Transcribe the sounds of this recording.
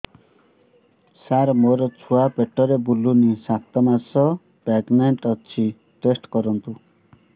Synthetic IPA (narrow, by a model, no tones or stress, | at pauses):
saɾmoɾɔt͡sʰuapeʈːɔɾebulːunisat̪ɔmasɔ | pɛɡneɳʈɔt͡ʃʰi | ʈesʈkɔɾɔnt̪u